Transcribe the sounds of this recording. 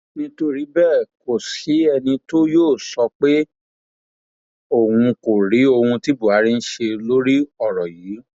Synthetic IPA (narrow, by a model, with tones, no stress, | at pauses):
nĩ˧to˧ɾi˨˦bɛ˦˨ko˨si˨˦ɛ˧nĩ˧to˦joː˦˨sɔ˧k͡pe˦ | o˦˨wũ˧ko˨ɾi˨˦o˧hũ˧ti˦bu˦˨a˨˦ɾi˦n̩˦ʃe˧lo˦ɾi˦ɔ˦˨ɾɔ˨jiː˨˦